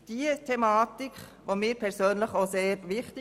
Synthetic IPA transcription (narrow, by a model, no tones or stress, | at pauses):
d̥iətʰemaːtɪk | ʋomiːɾpʰɛɾsøːnləχoːseːɾʋɪxtɪ